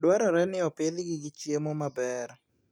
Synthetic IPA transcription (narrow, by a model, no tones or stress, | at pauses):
dwaɾɔɾɛnɪɔpɪlɡɪɡɪt͡ʃjemɔmabɛɾ